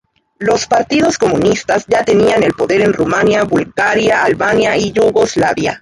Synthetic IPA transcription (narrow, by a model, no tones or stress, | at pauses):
lo̞spaɾt̪ið̞o̞sko̞mũnist̪azʝat̪e̞niane̞lpo̞ðe̞ɾe̞nrumanjaβulɣaɾjaːlβanjaiʝuɣo̞zlaβja̰